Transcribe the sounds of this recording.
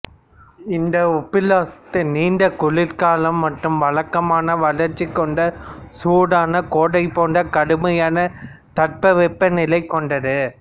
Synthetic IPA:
ɪnd̪ɐɔpːɪlaːsɐ̥t̪ːɐniːnɖɐkʊɭɪɾkaːlɐmːɐʈrɯmʋɐɭɐkːɐmaːnɐʋɐɭɐɾt͡ʃːikːɔɳɖɐsuːɽaːnɐkoːɽɐɪpːoːɳɖɐkɐɽɯmɐjaːnɐ | t̪ɐʈ̚pɐʋɛpːɐnɪlɐɪkːɔɳɖɐðɯ

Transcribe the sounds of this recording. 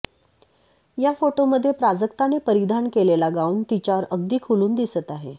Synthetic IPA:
jafoʈoməd̪ʱːjepɾad͡zəkt̪anepəɾid̪ʱankelelaɡauɳt̪it͡ɕaɾəɡ̚d̪iːkʰuluːnd̪isət̪aɦe

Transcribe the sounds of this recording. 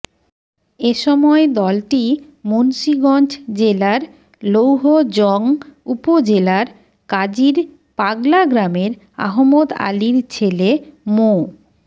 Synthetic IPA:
eʃɔmɔed̪ɔlʈi | monʃiɡɔnd͡ʑd͡ʑelaɾ | lowɦod͡ʑɔŋupod͡ʑelaɾ | kad͡ʑiɾ | paɡlaɡɾameɾ | a̰ɦomod̪a̰liɾt͡ɕʰelemo

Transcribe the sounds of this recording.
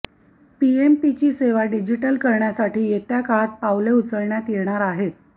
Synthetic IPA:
piempit͡ɕiːseʋaɖid͡ʑiʈəlkəɾɳjasaʈiːjet̪jakaɭat̪̚paʋleut͡səɾɳjat̪jeɳ̃aɾaɦet̪̚

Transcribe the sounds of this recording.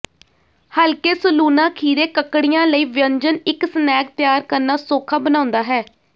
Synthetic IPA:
həlkeːsəluːnãːkʰiːɾeːkəkːɽɪjãːləiːʋjəɲd͡ʒənɪksənɛːk̚t̪ɪjaːɾkəɾnaːsoːkʰaːbənaːʊ̃nd̪aːɦɛː

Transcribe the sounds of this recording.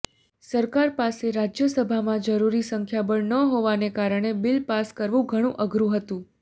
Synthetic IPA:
səɾkaɾpaseɾad͡ʒjəsəbʱamãd͡ʒəɾuɾisəŋkʰjabəɳnəɦoʋanekaɾəɽ̃ebɪlpaskəɾʋũɡʱəɽ̃ũʔəɡɾũɦət̪ũ

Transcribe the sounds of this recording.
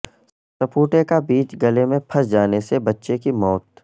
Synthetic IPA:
sɐpʰuːʈekabiːt͡ʃɡɐlemẽpʰɐsd͡ʒaːnesebɐtːʃekimɔːt̪

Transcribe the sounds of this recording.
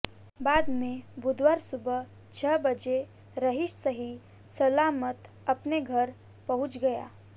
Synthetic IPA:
baːd̪mẽbʊd̪waːɾsʊbə | t͡ʃʰəbəd͡ʒe | ɾəɦɪʃsəɦi | sɐlaːmət̪ | ɐpneɡʱɐɾ | pɐɦʊ̃t͡ʃɡɐja̰ː

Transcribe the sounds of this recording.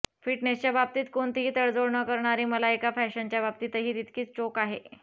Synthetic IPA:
fiʈnest͡ɕjabab̚t̪iːt̪koɳt̪ɦiːt̪əɭd͡zoɽɳəkəɾɳaɾiːməlaekafɛɕənt͡ɕjabab̚t̪iːt̪əɦiːt̪it̪kiːt͡st͡ɕokaɦe

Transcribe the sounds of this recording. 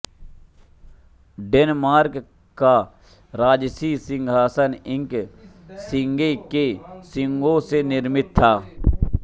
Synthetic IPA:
ɖeːnmaːɾk | kːa | ɾaːd͡ʒsiːsɪ̃ŋɡʱaːsənɪ̃ŋk | sɪŋɡekesɪŋɡõsenɪɾmɪt̪̚ʰːaː

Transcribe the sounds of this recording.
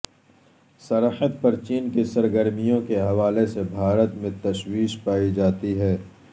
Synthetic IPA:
sɐɾħəd̪pɐɾt͡ʃiːnkesɐɾɡəɾmijõkeɦɐʋaːlesebʱaːɾət̪mẽt̪ɐʃwiːʃpaːid͡ʒaːt̪iɦɛː

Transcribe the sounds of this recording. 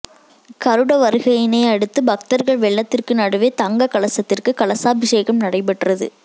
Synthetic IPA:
kɐɾɯɽɐʋɐɾɯɣɐjɪnɐɪɐɽɯt̪ːɯbɐk̚t̪ɐɾɣɐɭʋɛɭːɐt̪ːɪrkɯnɐɽɯʋeːt̪ɐŋɡɐkɐɭɐsɐt̪ːɪrkɯkɐɭɐsaːbɪʂeːɣɐmnɐɽɐɪp̬ːɐʈːrɐðɯ̰

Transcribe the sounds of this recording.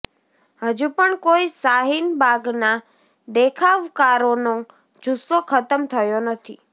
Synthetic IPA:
həd͡ʒupəɳkoisaɦinbaɡna | d̪ekʰaʋkaɾono | d͡ʒust̪okʰət̪əmt̪ʰəjonət̪ʰḭ

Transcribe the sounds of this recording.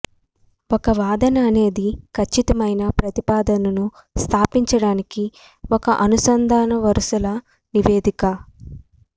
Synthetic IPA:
ɔkɐʋaːd̪ɐnɐːne̞ːd̪ikʰɐt͡ʃːit̪ɐmɐjnɐpɾɐt̪ipaːd̪ɐnɐnu | st̪ʰaːpiɲt͡ʃɐɽaːniki | ɔkɐʔɐnusɐnd̪ʱaːnɐʋɐɾʂɐlɐ | niʋe̞ːd̪ikɐ

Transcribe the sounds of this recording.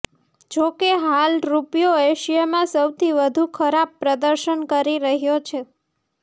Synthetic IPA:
d͡ʒokeɦalɾupjoeʃijamãsəwt̪ʰiʋəd̪ʱukʰəɾab̚pɾəd̪əɾʃənkəɾiɾəɦjot͡ʃʰe

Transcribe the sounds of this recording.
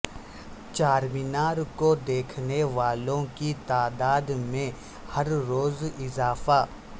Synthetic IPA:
t͡ʃaːɾmɪnaːɾkod̪eːkʰneʋaːlõkit̪aːd̪aːd̪mẽ | hɐɾːoːzɪzaːfa

